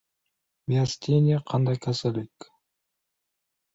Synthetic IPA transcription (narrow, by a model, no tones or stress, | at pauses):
miasʲt̪ʲenʲiaqʰɑnd̪ɑjkʰasolik